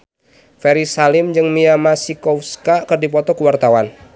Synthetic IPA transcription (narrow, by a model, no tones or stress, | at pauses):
fɛɾisalɪmd͡ʒɨŋmiamasikɔfskakɨrdipɔt̪ɔkuwart̪awan